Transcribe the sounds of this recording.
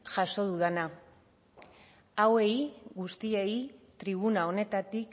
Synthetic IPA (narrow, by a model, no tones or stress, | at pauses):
ʝaʃo̞ðuðana | awe̞iɡust̪iejit̪ɾiβ̞unao̞ne̞t̪at̪ik